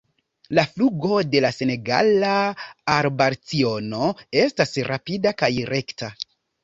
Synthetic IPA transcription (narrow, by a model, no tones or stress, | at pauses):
lafluɡo̞de̞lase̞ne̞ɡa̰laːɾbaɾt͡sio̞no̞e̞stasɾapidakajɾe̞kta